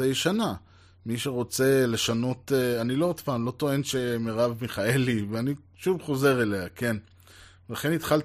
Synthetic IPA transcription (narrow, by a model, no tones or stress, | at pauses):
ejʃana | miʃe̞ʁo̞t͡se̞le̞ʃano̞t̪anilo̞ot̪paːmlo̞t̪o̞e̞nʃe̞meʁavmiχae̞liveani | ʃuvχo̞ze̞ʁe̞leakʰe̞n | velaχe̞nit̪χal